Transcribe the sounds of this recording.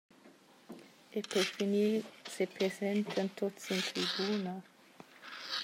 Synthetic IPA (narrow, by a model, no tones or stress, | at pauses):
epeɾfinilsepɾezɛnt̪ʰant̪osint̪ɾibuːna